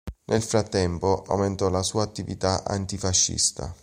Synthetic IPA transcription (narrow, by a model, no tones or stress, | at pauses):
nʔelfɾat̪ːɛmpoʔa̰wment̪ɔlasuːaːt̪ːivit̪aʔa̰nt̪ifaʃːḭst̪a̰